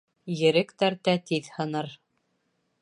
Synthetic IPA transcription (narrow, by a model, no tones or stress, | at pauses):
jɘ̆ɾɘkt̪æɾt̪æt̪iðhɤ̆nɤɾ